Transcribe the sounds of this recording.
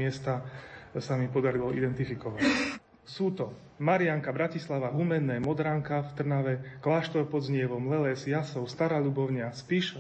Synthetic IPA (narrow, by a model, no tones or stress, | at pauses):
ɪɛst̪asamipɔd̪aɾilɔʔid̪ɛnt̪ifikɔʋac | suːt̪ɔ | maɾɪaŋkabɾacislaʋaɦumɛnːɛːmɔd̪ɾaŋkaft̪r̩naʋɛklaːʃt̪ɔpɔd̪zɲɪɛʋɔmlɛlɛːsjasɔʊst̪aɾaːʎubɔʊɲɪaspiʃ